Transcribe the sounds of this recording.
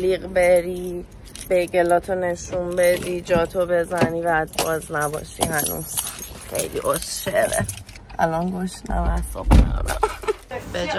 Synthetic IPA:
liːɣbeɾiː | b̥ejɡelɒːt̪ʰone̞ʃumbe̞d̪id͡ʒɒːt̪ʰobe̞zæniːvæd̪̚bɒːznæbɒ̰ʃḭhænṵːz̥xḛjlḭːʔosʃeɾḛ | ʔælɒnɡoʃnæ̰mæsɒ̰ːbnio̰d̪æ̰mb̥ed͡ʒ

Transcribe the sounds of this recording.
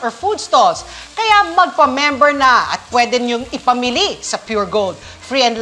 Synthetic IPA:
ɔɹfud̪̚st̪olskɐjamɐɡ̚pɐmɛmbɛɹnɐɐ̰t̪̚pwɛːd̪ɛnjʊŋɪpɐmɪlisɐpjuɹɡold̪̚ | fɹiɛ̃nd̪l

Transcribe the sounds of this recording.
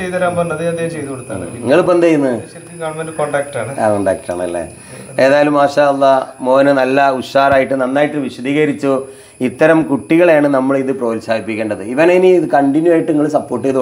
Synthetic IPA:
t͡ɕejt̪ɐɾaːmpɐnːɐðiɐnd̪jjt͡ɕejðukoɽut̪ːaːɳɨ̰iŋːɐɭup̬ːond̪ejunːɨɐkːkɐɳɐmenɖɨkoɳɖaːk̚ʈaːɳɨaːkoɳɖaːk̚ʈa̰ːɳɨɐ̰lːḛ | e̞ːðaːjɐlumːaːʂaːɐlːɐmo̞ːnɨnɐlːɐuʂaːɾaːjiʈːɨnɐnːaːjiʈːɨʋiʂɐd̪ʱiːɣɐɾit͡ɕːu | it̪ːɐɾɐmkuʈːiɣɐɭjaːɳɨnɐmːɐɭiðɨproːlsaːd̪ipːikʲːeːɳɖɐðɨiʋɐneiniiðɨkɐɳɖinjuaːjiʈːɨiŋːɐɭsɐpːoːrʈːɨeðɨ

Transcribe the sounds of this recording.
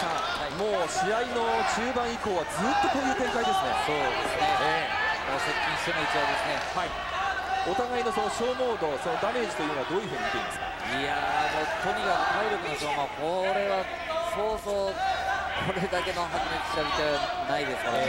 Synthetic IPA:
sa | haimo̞ːɕiaino̞t͡ɕɨːbãɰ̃iko̞ːβad͡zɨːt̪ːo̞ko̞ːjɯ̟ːt̪ẽ̞ŋkaid̪e̞sɨne̞̰soːd̪esɨnee | moːsekʲːĩɲ̃ɕi̥t̪enoit͡ɕibad̪e̞sɨne̞hai | o̞t̪aɡaino̞so̞noɕo̞ːmo̞ːd̪o̞so̞no̞d̪ane̞ːd͡ʑi̥t̪o̞jɯ̟noad̪o̞ːjɯ̟ɸɯ̟ːɲ̟it̪eɾĩnmesɨ̥ka | ia̰dmoːt̪ʰo̞ɲ̟iɡat̪ʰaiɾʲo̞kɯ̟noɕoːmoko̞ɾe̞βa | so̞ːsoːkʰoɾe̞d̪ake̞no̞ɦakneki̥ɕt̪abʲit̪anaid̪e̞sɨ̥kane

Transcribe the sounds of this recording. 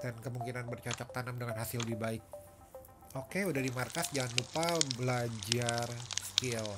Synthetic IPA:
d̥ankəmuŋkinanbərt͡ʃɔt͡ʃɔk̚t̪anamdəŋanɦasɪlbibaɪk̚ | okeudahdimarkasd͡ʒaŋanlupabəlad͡ʒarskil

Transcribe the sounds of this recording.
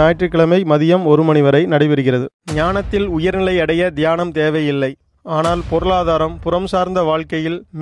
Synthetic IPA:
aːjʈrɯkːɐɭɐmɐɪmɐðɪjɐmɔɾɯmɐɳɪʋɐɾɐɪnɐɽɐɪʋɪɾɯɣɪrɐðɯɲaːnɐt̪ːɪlʊjɐɾnɪlɐɪɐɽɐjɐd̪ɪjaːnɐmt̪eːʋɐjɪlːɐɪ | aːnaːlpɔɾɐɭaːðaːɾɐmpʊɾɐmsaːɾnd̪ɐʋaːɭkɐjɪlm

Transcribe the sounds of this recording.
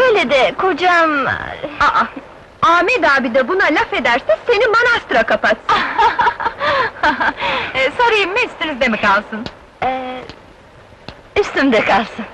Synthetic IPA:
øjlʲed̪ɛkʰod͡ʒamaʔa | aːmɛd̪aːbid̪ɛbunalʲafe̞d̪æɾsɛse̞nimanast̪ɾakapat̪ | haɦsoɾajɯmmːɛst̪iɾizd̪emikalˠsɯn | ɛ | yst̪ymd̪ɛkʰalˠsɯn

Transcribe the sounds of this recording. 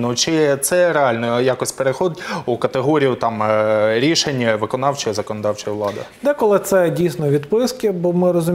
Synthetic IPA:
nut͡ʃɪt̪sɛreɑlʲnɔjakɔsʲpeɾexɔd̪ʲukɐt̪eɦɔɾʲijʊt̪ɑmɾʲiʃenʲːɐʋɪkɔnɑwt͡ʃɔjɐzɐkɔnɔd̪ɑwt͡ʃɔjɐʋlˠɑd̪ɐ̰d̪ɛkɔlˠɪt̪sɛdʲijsnɔʋʲid̪pɪskɪbɔmɪɾɔzʊ

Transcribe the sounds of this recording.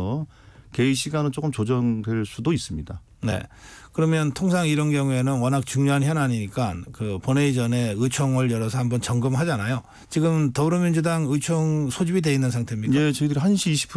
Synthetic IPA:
ʌ | ke̞iɕʰiɡanɯnt͡ɕ͈ok͈ɯmt͡ɕod͡ʑʌŋdwe̞ɭs͈udois͈ɯmɲida | ne̞̰kɯɾʌmjʌntʰoŋsʰaŋiɾʌnɡjʌŋue̞nɯnwʌnɦak̚t͡ɕuŋɲoɦançjʌnaɲiɲik͈ankɯponeid͡ʑʌne̞ɯt͡ɕʰoŋwʌɭjʌɾʌsʰʌhambʌnt͡ɕʌŋɡɯmɦad͡ʑanajo | t͡ɕiɡɯmtʌbɾomind͡ʑudaŋɯt͡ɕʰoŋsʰod͡ʑibidwe̞inːɯnsʰaŋtʰe̞mɲikaet͡ɕʌidɯɾiɦanɕʰiːɕʰi̥pʰ

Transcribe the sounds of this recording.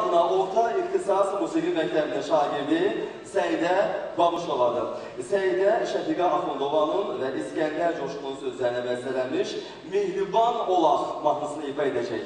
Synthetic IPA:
mnɑoɾt̪ʰɑiχt̪ʰisɑsmusiɡimæct̪ʰæbiniʃɑːɟiɾd̪i | sæjd̪ɛbɑbuʃolˠɑd̪ɯ | sæjd̪ɛʃæt̪ʰiɡɑːfond̪ovɑnɯnvɛʔiscænlæɾd͡ʒoʃumˠunsøzlæɾnæbæzlælænmiʃ | mehɾubɑnolˠɑχmɑt̪nɯsɯnɯjipʰɑe̞d̪æd͡ʒɛç

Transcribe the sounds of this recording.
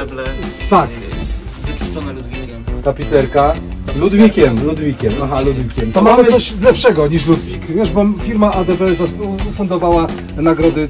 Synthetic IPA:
lɛt̪ak | ɔvʲi | t̪apʲit̪sɛɾkalud̪vʲikʲɛmlud̪vʲikʲɛmaɦalud̪vʲikʲɛmt̪ɔmamsɔɕlɛpʂɛɡɔɲiʂ̬lud̪vʲikvʲjɛʐbɔmfʲiɾmaʔad̪ɛpɛzaspfund̪ɔvawa | naɡɾɔd̪ɘ

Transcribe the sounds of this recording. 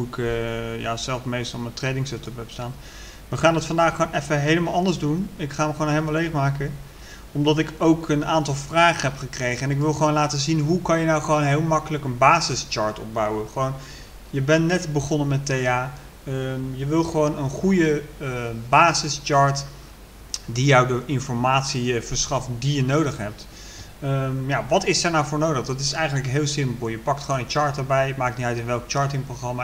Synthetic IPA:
uɪkəja̰ːzɛlˠfmejstɑlˠməntrejdɪŋsɛtəpɛpstaːn | ʋəχaːndɑtfɑndaːχonɛfəɦejləmaːlˠɑndəzdunɪkχaːəmχəwonɦejləmalejχmaːkə | ɔmdɑtɪkowkənaːntɑlˠvraːχəɦɛpχəkrejχəɛnɪkʋɪlˠχəʋoːnlaːtəzinɦukɑnjənawχəʋownɦeːlˠmɑkələkənbaːzɪst͡ʃɑɹtɔ̰b̚bawəχəʋown | jəbɛnːɛtbəχɔnənmɛtejaː | əmjəʋɪlˠχəʋownənχujə | baːzəst͡ʃɑːɹt | dijɑwdəʔɪnfɔɹmaːtsivəɹsχɑftdijənowdəχɦɛp̚tː | jaːʋɑtɪsɛɹnawvʊːɹnowdəχdɑtɪsɛjχənləkɦɪːlˠsɪmpəl̩ˠjəpɑktχəonənt͡ʃɑːɹtəɹbɛjmaːk̚tniœɥtɪnʋɛlˠkt͡ʃɑːɹtɪŋproχrɑma

